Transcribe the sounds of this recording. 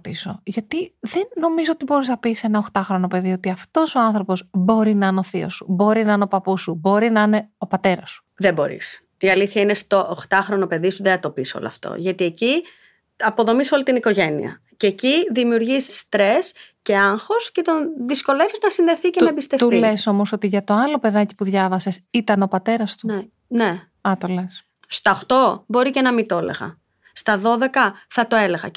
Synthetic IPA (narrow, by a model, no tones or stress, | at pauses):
t̪iso̞̰ʝɐt̪iðe̞nːo̞mizo̞ot̪ibo̞ɾiznɐpise̞nɐoxt̪ɐxɾo̞nope̞ðio̞t̪iɐft̪o̞so̞ɐnθɾo̞po̞zbo̞ɾinɐɐnoθio̰su̥bo̞ɾinɐɐneo̞pɐpusubo̞ɾinɐɐne̞o̞pɐt̪e̞ɾɐsu̥ | ðebo̞̰ɾḭs | iɐliθçɐinest̪oʔːxt̪ɐxɾo̞nope̞ðisuðeɐt̪o̞piso̰lo̰ɐ̰ft̪o̰ʝɐt̪ie̞ci | ɐpo̞ðo̞miso̞lit̪iniko̞ʝe̞nḭɐ̰ | ceːciðimiuɾʝisist̪ɾe̞sce̞ɐŋxo̞sce̞t̪onðisko̞le̞viznɐsinðe̞θiceɐebist̪eft̪uleso̞moso̞t̪iʝɐt̪o̞ɐlo̞pe̞ðɐci̥puðʝɐvɐse̞sit̪ɐno̞pɐt̪e̞ɾɐst̪ue | ne | ɐt̪oles | st̪ɐoxt̪o̞bo̞ɾicenɐmit̪o̞lḛɣɐ̰ | st̪ɐðo̞ðe̞kɐθɐt̪oele̞ɣɐ̰